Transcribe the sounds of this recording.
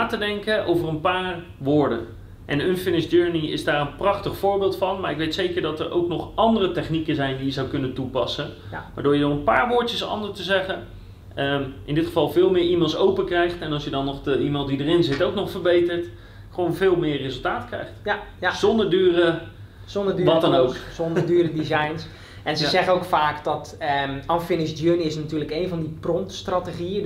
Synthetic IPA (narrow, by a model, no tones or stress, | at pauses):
naːtədɛŋkəʔo̰wvərənpaːr | ʋʊːɹdə̰n | ʔɛnʏnfɪnɪsd͡ʒøːɹniɪ̰zdaːrənprɑχtəχfʊːɹbɪːlˠtfɑnmaːɹɪkʋejtsejkəɹdɑtəɹʔo̰wknɔχʔɑndərətɛχnikənzɛjndijəzawkɵnətupɑ̰sən | ʋa̰ːdʊːɹjədɔnənpaːɹʋʊːɹəsɑ̰ndəstəzɛχən | ʔɪndɪtχəvɑlˠvɪːlˠmɪɹimelˠsowpəkrɛjχtɛnɑlˠsjədɔnːɔχdəimɑlˠnt̚didərɪnzɪtowknɔχfəɹbejtəɹt | χəʋownvɪːlˠmɪəɹrezəlˠtaːtkrɛ̰jχtzɔndəɹdyːrə | zɔndədːʋɔtdɔnowksɔndədyːrədizajns | ɛnzəzɛχənowkfaːkdɔtanfɪnɪsdjønɪsnatyːləkejnvɔndiprɔntstrateχiə